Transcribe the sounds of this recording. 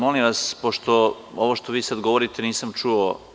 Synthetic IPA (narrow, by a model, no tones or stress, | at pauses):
molimʋaspoʃt̪o̞ | oʋoʃt̪oʋiːsad̪ɡoʋoɾit̪eniːsamt͡ʃuo